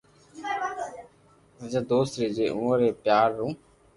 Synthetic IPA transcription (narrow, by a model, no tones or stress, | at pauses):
əd͡ʒaːd̪oːst̪ɾiːd͡ʒeːʔũːəɾeːpjaːɾːũː